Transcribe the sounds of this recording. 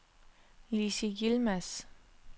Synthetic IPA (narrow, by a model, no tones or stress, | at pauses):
lisiɡilmæs